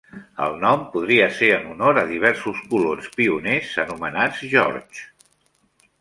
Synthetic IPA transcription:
ə̰lˠnɔmpuð̞ɾiəseɾənunoɾəðiβ̞ɛɾsuskulonspiunezənumənad͡zʒɔ̰ɾt͡ʃ

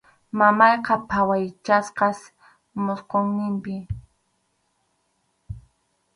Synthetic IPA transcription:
mamɑjqɑpʰawajt͡ʃasqɑs | mʊsqoŋnɪmpɪ

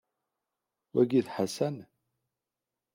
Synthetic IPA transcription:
wæɡiθħasæn

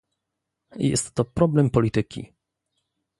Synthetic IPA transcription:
jɛ̰st̪ːɔpɾɔblɛmpɔlʲit̪ɘkʲḭ

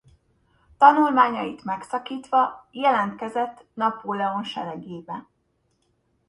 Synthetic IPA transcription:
t̪ɒnulmaːɲɒjit̪mɛksɒkiːt̪ʋɒjɛlɛnt̪kɛzɛt̪ːnɒpoːlɛo̞nʃɛ̰lɛɡeːbɛn

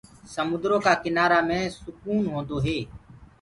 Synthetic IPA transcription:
səmʊd̪ɾoːkaːkɪnaːɾaːmẽːsʊkuːnɦõːnd̪oːɦeː

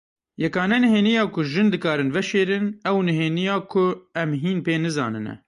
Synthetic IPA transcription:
jɛkɑːnɛnɨɦeːnijɑːkʰʊʒɨnd̪ɨkɑːɾɨnvɛʃeːɾɨnɛwnɨɦeːnijɑːkʰʊɛmɦiːnpeːnɨzɑ̰ːnɨnɛ̰

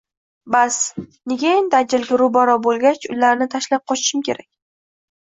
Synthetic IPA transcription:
basneɡʲaend̪ad͡ʒɪlɡʲaɾʊbaɾɒbolˠɡʲat͡ʃʊlaɾnɪt̪ʰaʃlap̚qʰɒt͡ʃʰɪ̥ʃɪmkʲʰe̞ɾakʲ

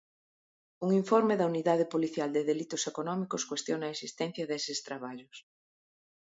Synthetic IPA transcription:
uŋiɱfɔɾmeðɐuniðaðɪpoliθjald̪ɪðelit̪ʊsekonɔmikʊskwest̪jonɐesist̪ɛn̟θjɐðesɪst̪ɾaβ̞aʎʊs

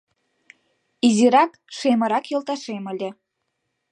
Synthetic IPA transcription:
iziɾɑk | ʃemɤ̆ɾɑkjŏlˠt̪ɑʃemə̆lʲĕ

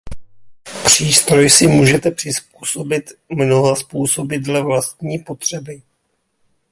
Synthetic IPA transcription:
pr̝̥iːst̪ɾo̞jsɪmuːʒɛt̪ɛpr̝̥ɪsp̚uːso̞bɪt̪mno̞ɦaspuːso̞bɪd̪lɛvlast̪̚ɲiːpo̞t̪r̝̥ɛbɪ

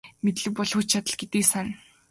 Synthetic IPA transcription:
met̪ɮɘ̆ppɔɮxut͡ɕt͡ɕʰat̪ə̆ɮɡet̪iːksan

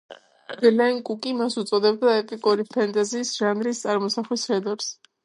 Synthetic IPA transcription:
b̥lɛŋkʼukʼimasut̪sʼɔd̪ɛbd̪aɛpʼikʼuɾipʰant̪ʼaziːsʒ̥anɾist̪sʼaɾmɔsaχlisɾɛd̪ɔɾs

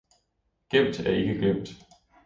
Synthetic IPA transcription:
ɡ̥em̰d̥æɐe̝ɡ̥əɡ̥lem̰d̥

